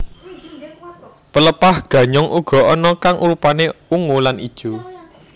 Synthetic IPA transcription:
pələpahɡ̥ä̤ɲɔŋʔuɡ̥ɔ̤ɔnɔkaŋʔuɾupaneuŋolanʔid̥ʒ̥o̤

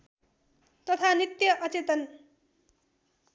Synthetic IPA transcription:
t̪ʌt̪ʰanit̪jʌʔʌt͡set̪ʌn

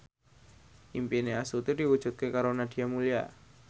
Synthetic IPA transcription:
ʔimpineasut̪idiwu̥ʒ̥ṳt̪̚kekaɾonad̪̥i̤amulija̰

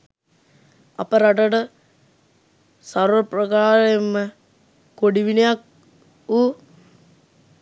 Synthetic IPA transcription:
a̰pəɾaʈəʈə | saɾʋəprəkaːɾemːə | koɖiʋinejak̚ | uː

